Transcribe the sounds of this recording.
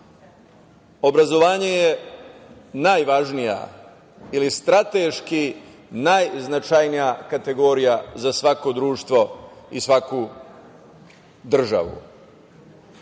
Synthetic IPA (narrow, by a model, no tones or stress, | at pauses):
o̞bɾazo̞ʋaːɲeje | naːjʋaʒnija̰ | ilist̪ɾat̪eʃki | najznat͡ʃajnijakat̪e̞ɡo̞ɾijazasʋako̞d̪ɾuːʃt̪ʋo̞isʋaku | d̪r̩ʒa̰ʋṵ